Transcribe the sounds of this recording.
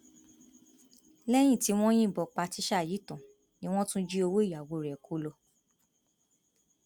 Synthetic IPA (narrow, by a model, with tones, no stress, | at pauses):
lɛ˦j̃ĩ˦˨ti˨˦w̃ɔ̃˦j̃ĩ˦˨bɔ˨˧k͡pa˧ti˨˦ʃa˦˨ji˨˦tɔ̃˨ | nĩ˦w̃ɔ̃˦tũ˦d͡ʒi˦o˧wo˦i˦˨ja˨wo˧˨ɾɛ˨kʰo˧˦lo˧